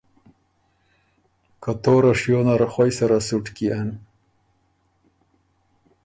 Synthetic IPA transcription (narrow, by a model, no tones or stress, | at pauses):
kat̪oɾaʂjonaɾxwajsaɾasuʈkian